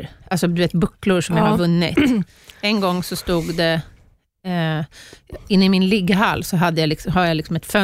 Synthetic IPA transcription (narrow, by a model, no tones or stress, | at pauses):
ʔalsɔd̪ɵveːt̪bɵkːlʊɾʂɔmjahaɾvɵnːɪ̰t̪ | ɛnɡɔŋːsɔst̪uːɡd̪ɛ | ɪnːɪmɪnlɪɡːɦalːsɔɦad̪ːəjalɪksɔɦaɾjalɪksɔmɛt̪fœ